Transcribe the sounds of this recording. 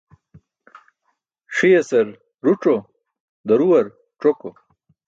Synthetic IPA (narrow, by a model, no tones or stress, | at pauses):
ʂijɐsɐɾ | ɾuʈ͡ʂo | d̪ɐɾuwɐɾ | ʈ͡ʂoko